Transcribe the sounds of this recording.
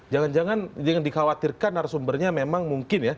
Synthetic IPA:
d͡ʒaŋand͡ʒaŋand͡ʒaŋandikawat̪irkanaɾsumbərɲamemaŋmuŋkɪnja

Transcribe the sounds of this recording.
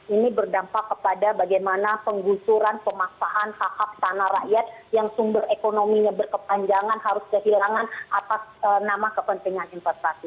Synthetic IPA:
inibərdampakːəpadabaɡajmanapəŋɡusuɾanpəmasaɦankahaf̚t̪anara̰ʔjat̪̚jaŋsumbərekonomiɲabərkəpaɲd͡ʒaŋanɦaɾʊskəɦilaŋanʔat̪asənamakəpənt̪iŋaninfɛst̪asi

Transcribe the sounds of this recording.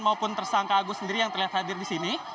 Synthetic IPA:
nmaupʊnt̪ərsaŋkaːɡusəndiɾijaŋt̪ərliɦat̪hadɪrdisini

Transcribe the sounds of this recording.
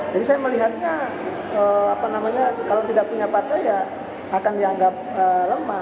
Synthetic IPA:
d͡ʒadisajaməliɦat̪̚ɲa | əapanamaɲakalawt̪idak̚puɲapat̪ajaː | kandiaŋɡap̚ələma

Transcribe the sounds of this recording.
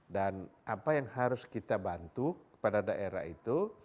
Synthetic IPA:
danapajaŋhaɾʊskit̪abant̪ukə̥padadaʔeɾa̰hit̪u

